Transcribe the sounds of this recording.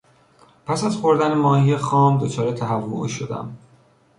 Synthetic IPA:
pʰæsæzxo̞ɾd̪ænemɒːhijexɒːmd̪ot͡ʃʰɒːɾet̪ʰæɦævːo̰ʃod̪æ̰m

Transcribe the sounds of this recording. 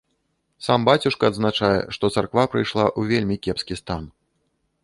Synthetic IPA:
sambat͡sʲuʂkɐːd̪znat͡ʂajɛ̰ʂt̪ɔt̪sarkvapɾɨjʂlˠaʔuvʲelʲmʲikʲɛpskʲist̪an

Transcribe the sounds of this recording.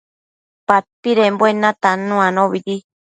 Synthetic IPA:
pat̪̚piɾemboenãt̪anũanõβiɾi

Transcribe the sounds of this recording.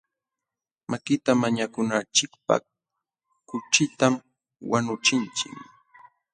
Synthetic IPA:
makɪt̪amaɲakʊnat͡ʃɪk̚pa̰ | kʊt͡ʃɪt̪am | wanʊt͡ʃɪnt͡ʃɪ̰k

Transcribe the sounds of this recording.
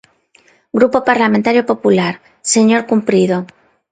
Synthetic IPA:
ɡɾupo̞paɾlament̪aɾjo̞po̞pulaɾ | se̞ɲo̞ɾkumpɾiðo

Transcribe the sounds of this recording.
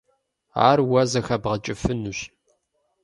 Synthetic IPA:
a̰ːrwɐzɐxɐbʁət͡ʃʼɪfɨnuɕ

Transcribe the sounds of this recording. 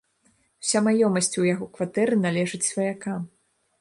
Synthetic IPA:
wsʲamajɔmɐsʲt͡sʲujaɣɔkvat̪ɛɾɨnalʲɛʐɨt͡sʲsvɐjakam

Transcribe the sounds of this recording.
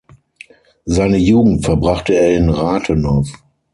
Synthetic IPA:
zaɪnəjuːɡŋ̩tfɛɐbʁaχtəeːɐɪnʁaːtʰənɔɐf

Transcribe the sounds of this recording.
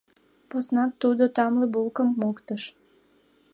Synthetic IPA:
posnɑt̪ːud̪ot̪ɑmlebulˠkəmːokt̪əʃ

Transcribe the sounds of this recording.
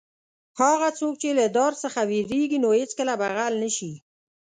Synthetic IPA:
hɑɣat͡sok̚t͡ʃelad̪ɑɾsəxaweɾeɡinohet͡skəlabaɣalnəʃi

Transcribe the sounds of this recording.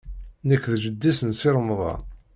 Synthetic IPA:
nəkːðd͡ʒəd̪ːisənsɪɾˤmðˤɑ̰

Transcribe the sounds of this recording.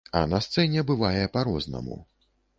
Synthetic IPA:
ɐ̰nɐst̪sɛnʲɛbɨvajɛpaɾɔznɐ̰mṵ

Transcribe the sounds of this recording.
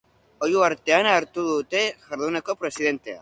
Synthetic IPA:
o̞juaɾt̪e̞anaːɾt̪uðut̪e̞ʝaɾðuneko̞pɾe̞sið̞e̞nt̪e̞a̰

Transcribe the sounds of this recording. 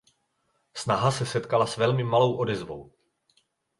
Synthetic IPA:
snaɦasɛsɛt̪kalasvɛlmɪmalo̞wʔo̞dɛzvo̰w

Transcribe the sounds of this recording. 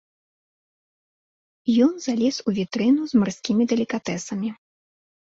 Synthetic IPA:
jɔnzalʲɛsuvʲit̪ɾɨnuzmarsʲkʲimʲid̪ɛlʲikat̪ɛsɐmʲi

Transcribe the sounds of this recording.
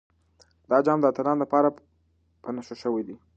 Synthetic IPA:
d̪ɑd͡ʒɑmd̪əat̪alɑnləpɑɾa | pənaʃoʃəwed̪i

